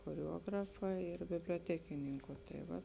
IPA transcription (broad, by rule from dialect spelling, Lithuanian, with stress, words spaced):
xoːrʲɛˈuɔɡrɐfɐ ɪr bʲɪbʲlʲoːˈtʲæːkʲɪnʲɪŋkʊ tɐɪ ˈʋɐ